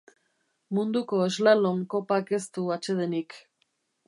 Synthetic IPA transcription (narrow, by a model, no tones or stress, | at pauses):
mund̪uko̞ezlaloŋko̞pake̞st̪uat͡ʃe̞ð̞e̞nik